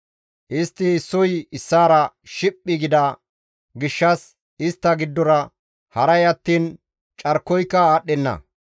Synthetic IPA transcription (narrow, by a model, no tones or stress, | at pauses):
ʔɪst̪ːɪɪsːɔjɪsːaːɾɐʃɪpʼːɪɡɪd̪ɐ | ɡɪʃːɐs | ɪst̪ːɐɡɪd̪ːɔɾɐ | hɐɾɐjɐt̪ːiːn | t͡ʃʼɐɾkːɔjkːɐaːɗɛnːɐ̰